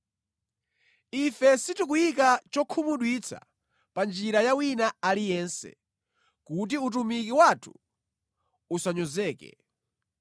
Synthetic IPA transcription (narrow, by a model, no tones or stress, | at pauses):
ifɛsitukujik̬at͡ʃɔkʰumuɗwit͡sʰa̰ | pand͡ʒiɾajawinaalijɛnsɛ̰ | kut̬iut̬umikiwatʰu̥ | usaɲɔzɛːkɛ̰